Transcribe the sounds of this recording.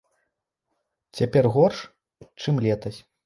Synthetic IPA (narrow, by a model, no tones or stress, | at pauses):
t͡sʲapʲɛrɣɔrʂ | t͡ʂɨmlʲɛt̪ɐsʲ